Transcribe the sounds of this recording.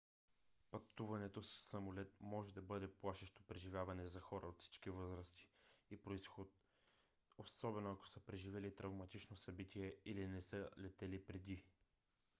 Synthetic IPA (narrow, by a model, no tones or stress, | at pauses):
pɐt̪uvɐnɛt̪osːɐmolɛt̪̚mɔʒɛd̪ɐbɤd̪ɛplˠaʃɛʃt̪o̥pɾɛʒivʲjavɐnɛzɐxɔɾəot̪fsi̥t͡ʃkivɤzɾəst̪i̥ipɾoisxot̪̚ | osɔbɛnoɐko̥səpɾɛʒivɛlit̪ɾɐvmɐt̪it͡ʃnosɐbit̪iɛilinɛsəlɛt̪ɛlipɾɛd̪i